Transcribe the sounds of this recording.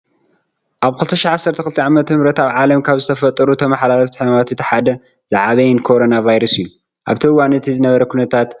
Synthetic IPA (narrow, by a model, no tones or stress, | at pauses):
ʔaβkʰɨlt̪ʰɐʃaʕasːɐɾt̪ʰɐkɨlt̪ʰiʕamɐt̪ɨβɾɐt̪aβʕalɐmkʰaβzɨt̪ʰɐfɐt̪ʼːɐɾut̪ʰɐmaħlalɐft̪i̥ħmamat̪ʰɨt̪ʰi̥ħad̪ɐ | z̥aʕaβɐjɪnkʰo̞ɾonavajɾɐsɨjːu | ʔa̰βt̪ʰɐwanɨt̪ʰizɨnɐβɐɾɐkʰunɐt̪ʰat̪